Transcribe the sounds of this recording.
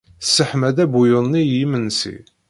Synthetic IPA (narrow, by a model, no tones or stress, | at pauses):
sːəħmæðæbujʊnːijimənsḭ